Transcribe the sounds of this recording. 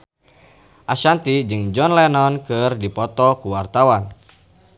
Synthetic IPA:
ʔaʃant̪id͡ʒɨŋd͡ʒɔnlɛnɔnkɨrdipɔt̪ɔkuwart̪awan

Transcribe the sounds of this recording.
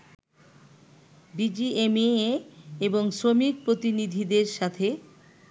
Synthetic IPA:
bid͡ʑiemeeeboŋsɾomik̚pɾot̪inid̪ʱid̪eɾʃat̪ʰe

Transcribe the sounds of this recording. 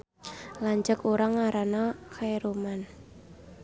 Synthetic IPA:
laɲd͡ʒəkuɾaŋaɾanakʰaeɾoman

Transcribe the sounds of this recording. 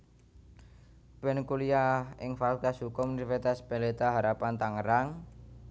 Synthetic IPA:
pɛnkuliaɪŋfalkasɦukʊmnifit̪aspelet̪aɦaɾapant̪aŋəɾaŋ

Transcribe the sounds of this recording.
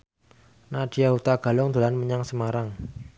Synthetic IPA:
naɖ̥ijaɦut̪aɡ̥a̤lɔŋd̪̥ṳlanməɲaŋsəmaɾaŋ

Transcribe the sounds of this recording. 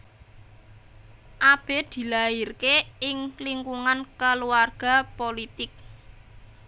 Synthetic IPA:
ʔab̥e̤d̪̥i̤lairkeɪŋliŋkuŋankəluwarɡ̥a̤polit̪ɪk̚

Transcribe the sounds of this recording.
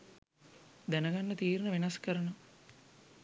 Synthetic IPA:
d̪ænəɡanːət̪iːɾnəʋenaskəɾəno

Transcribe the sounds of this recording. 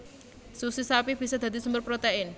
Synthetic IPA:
susisapib̥i̤sad̪̥a̤d̪isumbərpɾot̪eɪn

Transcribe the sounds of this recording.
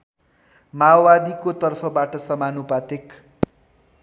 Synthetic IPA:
mawbad̪ikot̪ʌrpʰʌbaʈʌsʌmanupat̪ek

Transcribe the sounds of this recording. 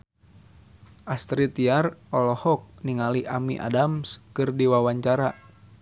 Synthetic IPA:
ʔast̪ɾit̪iarɔlɔhɔk̚niŋaliʔamiʔa̰damskɨrdiwawaɲt͡ʃaɾa

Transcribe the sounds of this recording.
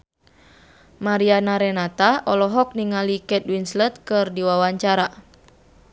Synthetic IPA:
maɾianaɾɛnat̪aʔɔlɔɦɔk̚niŋalikɛt̪̚winslət̪̚kɨrdiwawaɲt͡ʃaɾa

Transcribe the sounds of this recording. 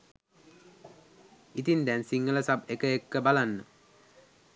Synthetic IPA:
it̪ind̪ɛnsiŋːələsap̚ekəekːəbalanːə

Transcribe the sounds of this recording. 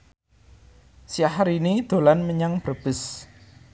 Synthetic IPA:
sjaɦaɾinid̪̥o̤lanməɲaŋb̥ə̤b̥ʊ̤s

